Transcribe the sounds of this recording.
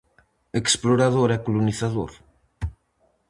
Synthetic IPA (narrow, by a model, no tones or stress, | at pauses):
eksploɾaðoɾɛkoluniθaðo̰ɾ